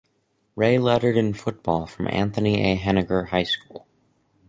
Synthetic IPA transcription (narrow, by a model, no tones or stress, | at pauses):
ɹeɪlɛɾə˞ɾɨ̃nfʊt̚b̥ɔlˠfɹʌ̃mʔæ̰̃nθɨniʔḛɪɦɛnɨɡə˞haɪskulˠ